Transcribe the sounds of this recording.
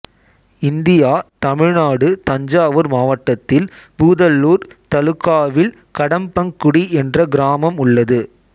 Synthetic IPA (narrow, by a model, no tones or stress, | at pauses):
ɪnd̪ɪjaːt̪ɐmɪɻnaːɽɯt̪ɐɲd͡ʒaːʋɯɾmaːʋɐʈːɐt̪ːɪlbuːðɐlːuːɾt̪ɐlɯkːaːʋɪl | kɐɽɐmpɐŋkʊɽiʔɛndrɐɡɪɾaːmɐmʊɭːɐðɯ